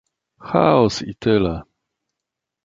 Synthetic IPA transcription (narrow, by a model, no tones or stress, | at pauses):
xa̰ɔsḭt̪ʰɪlɛ